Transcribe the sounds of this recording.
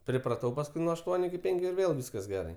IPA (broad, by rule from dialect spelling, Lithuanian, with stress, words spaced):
pʲrʲɪprɐˈtɐʊ pɐsˈkʊɪ nuɔ ɐʃˈtuɔnʲʊ ɪkʲɪ ˈpʲɛŋʲkʲʊ ɪr ˈʋʲeːlˠ ˈʋʲiːskɐs ˈɡʲæːrɐɪ